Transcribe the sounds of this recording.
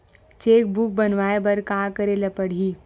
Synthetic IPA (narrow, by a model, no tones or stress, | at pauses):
t͡ʃeːk̚buk̚bɐnʋaːebɐɾkaːkəɾelɐpəɽ̤iː